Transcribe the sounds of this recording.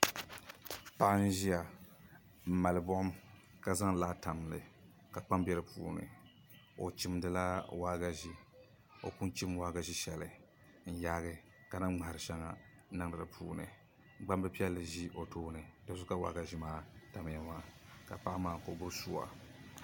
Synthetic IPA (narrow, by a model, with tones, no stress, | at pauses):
pa˦ʔn̩˦ʒi˦a˨ | m̩˨ma˨lbɔ˦ʔʊ˦m | ka˦za˦ŋ˨laː˦ta˨mlɨ̰˨ | ka˨k͡pa˦mbɛ˦ɾɨ˦pʰṵː˦nɨ̰˨ | o˨t͡ʃi˦mdɨ˨la˦waː˦ɡa˦ʒi˦ | o̰˨ku˦nt͡ʃi˦mwaː˦ɡa˨ʒi˦ʃɛ˨lɨ˨˦ | n̩˦jaː˦ɡɨ˨ | ka˨na˦ŋ͡ma˨ha˨ɾɨ˨ʃɛ˦ŋa̰˨˦ | nɨ˦ŋdɨ˨ɾɨ̰˨pʰuː˦nɨ̰˨˦ | ɡ͡ba˦m˦bɛ˦pi˦ɛ˦lːɨ˨ʒi˦ʔo˨tʰoː˦nɨ˨do˦sʊ˦ka˦wa̰˦ɡa˨ʒi˦maː˦ta˨m˨ja˨maː˦ka˨pa˦ʔmaː˦˨ko˨bʊ˦ɾsu˦a̰˨